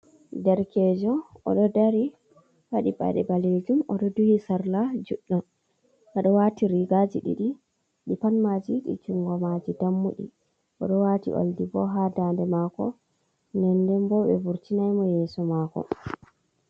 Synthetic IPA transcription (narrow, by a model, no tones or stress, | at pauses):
dɛɾkɛd͡ʒɔɔ̰ɗɔdaɾi | waɗiba̰ɗɛbaled͡ʒumɔɗɔduhisaɾlad͡ʒuɗːɔn | ʔɛɗɔwatiɾiɡad͡ʒiɗḭɗi | ɗipanmad͡ʒiɗḭt͡ʃuŋɡɔmad͡ʒidamːuɗḭ | ʔɔ̰ɗɔwatḭʔo̰ldibɔɦadandɛmakɔ | nɛndɛmbɔɓɛ̰buɾtinajmɔjɛːsɔmakɔ̰